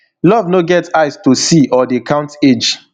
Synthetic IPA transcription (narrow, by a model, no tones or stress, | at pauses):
lɔvnoɡɛtaɪstusiʔɔdekʰãʊ̃nted͡ʒ